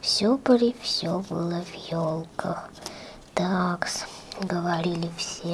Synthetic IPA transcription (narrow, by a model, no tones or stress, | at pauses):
fsʲopəɾʲifsʲobɨ̰lˠəvʲjolˠkʰə | t̪aksɡəʋaɾʲilʲifsʲe